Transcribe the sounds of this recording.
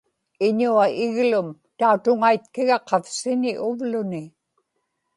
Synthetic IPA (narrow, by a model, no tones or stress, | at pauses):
ɪɲuaɪɣlʊmt̪aut̪ʊŋait̪̚kɪɣɑqɑfsɪnɪʔʊvlʊnɪ